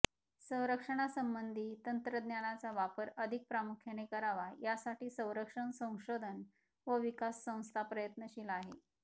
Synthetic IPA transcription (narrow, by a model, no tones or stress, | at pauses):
sə̃w̃ɾəkʂəɽ̃asəmbənd̪ʱiːt̪ənt̪ɾəd̪njaɽ̃at͡saʋapəɾəd̪ʱik̚pɾamukʰjanekəɾaʋajasaʈiːsə̃w̃ɾəkʂəɳsə̃w̃ɕod̪ʱən | ʋəʋikasːə̃w̃st̪ʰapɾəjət̪nəɕiːlaɦḛ